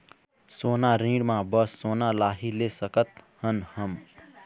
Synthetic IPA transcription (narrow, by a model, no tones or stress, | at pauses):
soːnaɾĩɖmãbəsːoːnalaːɦilesəkət̪hənhəm